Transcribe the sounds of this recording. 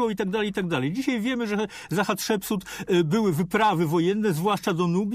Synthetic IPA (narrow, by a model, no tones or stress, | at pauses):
ɔit̪aɡ̚d̪alɛjt̪aɡ̚d̪alɛjd͡ʑiɕajvʲjɛmɘʐɛ | zaxat̪ʂɛpsut̪bɘwɘvɘpɾavɘvɔjɛnːɛzvwaʂt͡ʂad̪ɔnubʲ